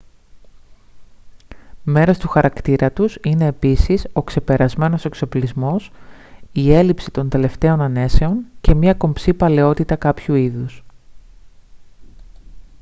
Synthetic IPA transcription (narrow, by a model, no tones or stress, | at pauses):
me̞ɾo̞st̪uxɐɾɐkt̪iɾɐt̪usine̞ːpisiso̞kse̞pe̞ɾɐzme̞no̞se̞kso̞plizmo̞sie̞lipsit̪o̞nd̪e̞le̞ft̪e̞o̞nɐne̞se̞o̞nce̞mɲɐko̞mpsipɐle̞o̞t̪it̪ɐkɐpçuiðus